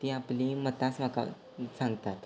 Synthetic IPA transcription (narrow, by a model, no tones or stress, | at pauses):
t̪iːaplimət̪asmaka̰ | sãŋɡt̪at̪